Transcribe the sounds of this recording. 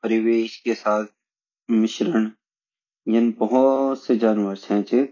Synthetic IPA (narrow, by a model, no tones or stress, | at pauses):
pəɾɪʋeːʃkesaːt̪̚ʰ | mɪʃɾəɳ | jɐnbɐɦʊt̪sed͡ʒaːnʋəɾsɛ̃ːt͡ʃe